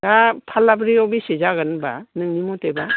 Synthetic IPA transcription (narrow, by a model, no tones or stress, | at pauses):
dapʰalːabɾiɔbisezaɣɯnba̰nɯŋnimuteba